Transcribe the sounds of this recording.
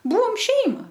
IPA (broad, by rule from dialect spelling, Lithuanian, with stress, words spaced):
ˈbuːʋoːm ˈʃʲɛɪmɐ